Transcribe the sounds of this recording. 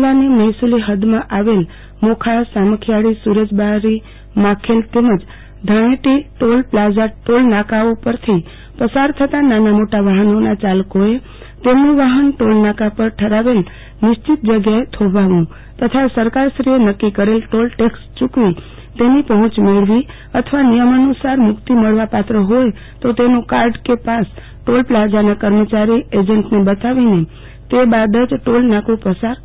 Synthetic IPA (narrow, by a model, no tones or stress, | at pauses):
laneməjsuliɦəd̪mãʔaʋel | mokʰasaməkʰjaɽisuɾəd͡ʒbaɾi | mãkʰelt̪eməd͡ʒ | d̪ʱaɽ̃ẽʈiʈolplad͡ʒaʈolnakaopəɾt̪ʰi | pəsaɾt̪ʰət̪ananamoʈaʋaɦənonat͡ʃalkoe | t̪emnũʋaɦənʈolnakapəɾʈʰəɾaʋel | nɪʃt͡ʃɪt̪̚d͡ʒəɡjaet̪ʰoʋaʋũ | t̪ət̪ʰasəɾkaɾsɾienəkːikəɾelʈolʈekst͡ʃukʋi | t̪enipəɦʊ̃t͡ʃmeɭʋi | ət̪ʰʋanijəmənusaɾmʊkt̪iməɭʋapat̪ɾəɦoj | t̪ot̪enũkaɾɖkepas | ʈolplad͡ʒanakəɾmət͡ʃaɾied͡ʒəɳʈnebət̪aʋine | t̪ebad̪əd͡ʒʈolnakũpəsaɾ